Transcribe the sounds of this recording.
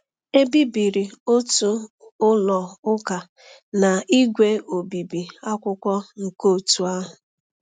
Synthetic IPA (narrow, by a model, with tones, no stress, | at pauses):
e˦bi˦bi˨ɾi˨o˦tu˦ | ʊ˦lɔ˨ʊ˦ka˨ | na˨i˦ɡʷe˦o˨bi˨bi˨a˦kʷʊ˦kʷɔ˦ŋ̩˨ko˦˨tu˨a˦ɦʊ˨